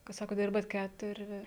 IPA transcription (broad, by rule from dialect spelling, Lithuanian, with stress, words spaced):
kɐt ˈsɑːkoːt ˈdʲɪrbɐt ˈkʲætʊrʲɪ